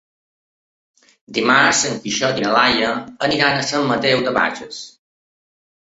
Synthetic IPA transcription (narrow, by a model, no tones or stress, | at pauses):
d̪imaɾzəŋkiʃɔt̪inəlajəəniɾanəsamːət̪ewd̪əβa̰ʒəs